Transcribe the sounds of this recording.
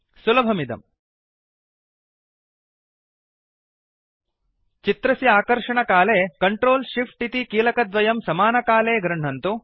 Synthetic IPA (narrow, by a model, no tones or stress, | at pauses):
sulɐbʱɐmid̪ɐ̰m | t͡ʃit̪ɾɐsiaːkɐɾʂɐɳɐkaːleːkɐɳʈɾoːlʃifʈit̪ikiːlɐkɐd̪ʋɐjɐmsɐmaːnɐkaːleːɡɾɐɳ̤ɐnt̪u